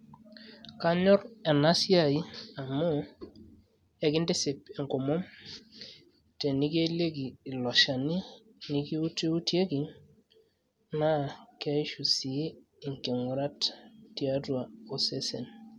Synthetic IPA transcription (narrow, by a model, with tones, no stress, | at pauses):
ka˦ɲɔ˦ɾɛ˨na˦sja˦˨i˦a˨mʊ˦ | ɛ˨kɪ˦nde˦sɪ˨pe˨ŋko˨mo˦m | te˨ni˦ke˦le˦kiː˨lɔ˨ʃa˨ni˦ | ni˦ki˦u˦ti˦u˦tje˦ki˨ | na˦kɛ˦i˦ʃu˨si˨˦ | ɪ˨ŋke˨ŋʊ˨ɾa˦ttja˦twa˨o˦se˦sḛ˨n